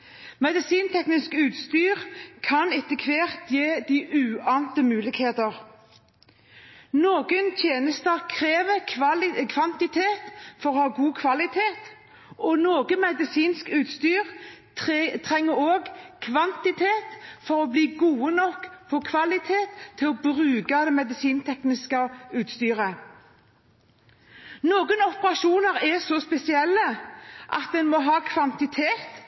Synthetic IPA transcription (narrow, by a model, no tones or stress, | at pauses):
mɛd̪ɪsiːnt̪ʰɛknɪskʉːt̪st̪yːʁkʰɑnɛt̪əkʰʋeːʁt̪jeːd̪iːʔʉːɑːnt̪əmʉːlɪɡheːt̪əʁ | noːɡənt̪ʰjeːnəst̪əkʰʁeːʋə | kʰʋɑnt̪ɪt̪ʰeːt̪fɔʁɔhɑːɡuːkʰʋɑlɪt̪ʰeːt̪ | ʔɔnoːɡəmɛd̪ɪsiːnskʉːt̪st̪yːʁ | t̪ʰʁɛŋːəɾoːɡkʰʋɑnt̪ɪt̪ʰeːt̪fɔɾɔbliːɡuːənɔkːpʰɔkʰʋɑlɪt̪ʰeːt̪ʰːɪlɔbʁʉːɡɑd̪ɛmɛd̪ɪsiːnt̪ʰɛknɪskəʉːt̪st̪yːʁə | noːɡənɔpəʁɑʃuːnəʁɛsɔspɛsɪɛlːəʔɑ̰t̪̚d̪ɛnmɔɦɑːkʰʋɑnt̪ɪt̪ʰeːt̪